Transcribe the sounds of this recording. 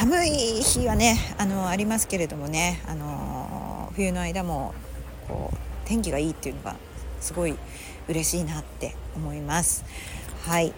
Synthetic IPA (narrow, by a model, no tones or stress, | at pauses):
samɯ̟içiβane̞ano̞aɾʲimasɨ̥ke̞ɾe̞d̪o̞mo̞ne̞a̰no̞ | ɸɯ̟jɯ̟no̞aid̪amo̞ | kʰo̰ːt̪ẽ̞ŋkʲiɡaiːt̪ːe̞iɯ̟no̞ɡa̰ | sɨɡo̞i | ɯ̟ɾe̞ɕiːnat̪ːe̞̰omo̞imasɨ̥hai